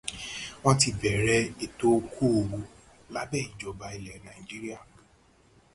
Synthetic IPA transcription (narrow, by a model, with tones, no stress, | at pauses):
w̃ɔ̃˦ti˧bɛ˨ɾɛ˦e˨to˦kʰo˦˨˧wu˧ | la˦bɛː˦˨i˨d͡ʒɔ˨ba˧i˨lɛ˨nã˨i˨d͡ʒi˦ɾi˦a˦˨